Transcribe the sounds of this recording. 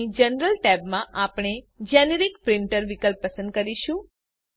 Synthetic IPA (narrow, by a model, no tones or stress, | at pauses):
id͡ʒənɾəlʈɛbmãʔapɽ̃e | d͡ʒɛneɾikpɾɪɳʈəɾʋikəlpːəsə̃nd̪̚kəɾiʃũ